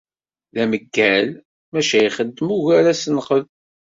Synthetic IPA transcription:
ðæməɡːæl | mæʃæjχəd̪ːəmuʝæɾæsənχəð

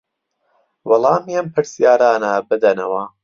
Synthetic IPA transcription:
wɑlˠɑːmjɐmpʰɨɾsijaːɾaːnɐbɨd̪ɐnɐ̰wɐ

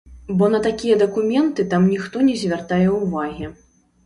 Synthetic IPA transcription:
bɔnɐt̪akʲijɐd̪ɐkumʲɛnt̪ɨt̪amnʲixt̪ɔnʲɛzʲvʲart̪ajɛwvaɣʲi

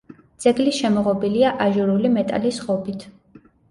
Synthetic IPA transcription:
d̪z̥ɛɡlisʃɛmɔʁɔbiliaʔaʒuɾulimɛt̪ʼa̰lisʁɔbit̪ʰ

